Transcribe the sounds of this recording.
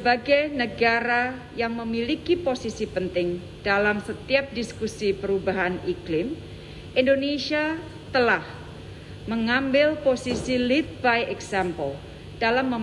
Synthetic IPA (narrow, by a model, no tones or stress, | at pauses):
səbaɡajnəɡaɾa | jaŋməmilikiposisipənt̪ɪŋ | d̥alamsət̪iap̚diskusipəɾubaɦaniklɪm | ʔindonesia | t̪əlah | məŋambɪlposisilit̪̚bajʔɛksampəl | d̥alamːəm